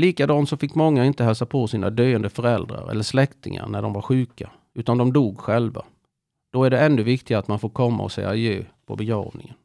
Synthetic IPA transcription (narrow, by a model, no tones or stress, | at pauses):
liːkad̪ɑːnsɔfɪkːmɔŋːaɪnt̪əhœːsapʰosiːnʔad̪øjənd̪əfœɾɛld̪ɾa̰ɾɛ̰lːəʂlɛkt̪ɪŋa̰ɾnæɖɔmvaɾɧʉ̟ːka | ʉ̟ːt̪and̪ɔmd̪uːɡɧɛlva̰ | d̪̥ɔæɖɛɛnːɵvɪkt̪ɪɡaat̪manfoːɾkʰɔmːa̰ɔ̰sɛ̰jajøːpʰɔ̰bɛɡɾɑ̰ːvnɪŋən